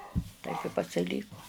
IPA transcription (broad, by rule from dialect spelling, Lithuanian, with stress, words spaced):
tɐɪp ɪ pɐsʲɪˈlʲiːkoː